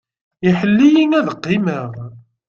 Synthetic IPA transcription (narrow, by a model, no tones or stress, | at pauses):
iħəlːijinæðəqːiməʁ